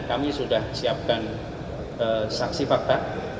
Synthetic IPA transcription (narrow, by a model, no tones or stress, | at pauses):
kamisudahsiap̚kan | əsaksifak̚t̪a